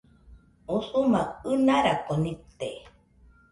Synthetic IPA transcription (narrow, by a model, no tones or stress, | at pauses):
usumaɨnaɾakonit̪e